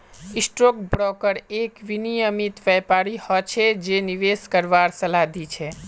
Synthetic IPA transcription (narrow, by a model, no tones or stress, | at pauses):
isʈɾokbɾɔkəɾekʋinijəmit̪ʋɛpaɾihɔt͡ʃʰed͡ʒeniʋeskəɾʋaɾsəlad̪it͡ʃʰe